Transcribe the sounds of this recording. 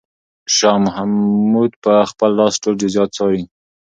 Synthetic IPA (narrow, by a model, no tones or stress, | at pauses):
ʃɑmʊɦamːud̪̚pəxpəlːɑsʈodizjɑt̪̚t͡sɑɾi